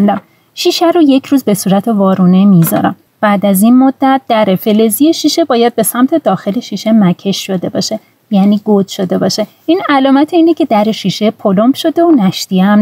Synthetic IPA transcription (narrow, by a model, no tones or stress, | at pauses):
nd̪æm | ʃiːʃæɾoje̞cʰɾuːzbe̞suːɾæt̪ʰe̞vɒːɾuːnemizɒ̰ɾæ̰m | b̥æːd̪æzinmod̪̥ːæt̪̚d̪̥æɾe̞fe̞le̞zijeʃiːʃe̞bɒːjæd̪̚be̞sæmt̪ʰe̞d̪ɒːxe̞le̞ʃiʃemæcʰe̞ʃːo̞d̪e̞bɒːʃe̞ | jæːniːɡod̪̥ʃo̞d̪e̞bɒːʃe̞ | ʔiːnælɒːmæt̪ʰeiːnecʰe̞d̪æɾe̞ʃiʃe̞pʰolombʃo̞d̪e̞onæʃt̪iæm